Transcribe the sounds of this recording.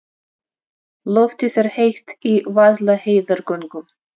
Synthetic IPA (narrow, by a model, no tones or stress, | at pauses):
lɔft̪ɪθɛɾ̥hejht̪ivaðlaheːjðaɾkœŋkʏm